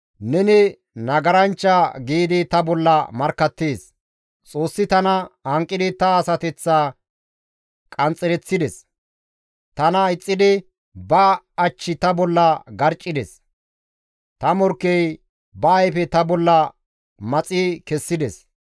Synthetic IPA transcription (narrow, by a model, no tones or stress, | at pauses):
nɛnɪ | nɐɡɐɾɐnt͡ʃːɐɡiːd̪ɪt̪ɐbɔlːɐmɐɾkːɐt̪ːeːs | t͡sʼo̞ːsːɪt̪ɐnɐhɐŋkʼːɪd̪ɪt̪ɐːsɐt̪ɛt͡sːaː | kʼɐnt͡sʼɛɾɛt͡sːɪd̪ɛs | t̪ɐnɐɪt͡sʼːɪd̪ɪ | bɐː | t͡ʃːɪt̪ɐbɔlːɐɡɐɾt͡ʃʼːɪd̪ɛs | t̪ɐmɔɾkːɛj | bɐːjfɛt̪ɐbɔlːɐ | mɐt͡sʼikɛsːɪd̪ɛs